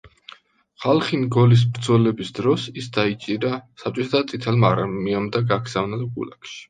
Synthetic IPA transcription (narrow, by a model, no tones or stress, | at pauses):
χalˠχinɡɔlis̬bɾd̪zɔlɛbisd̪ɾɔsisd̪ait͡ʃʼiɾasap̚t͡ʃʼɔt̪ʰat̪ʰadt̪sʼit̪ʰɛlmaɾaiamd̪aɡaɡz̥avnad̪ɡṵla̰kʃi̥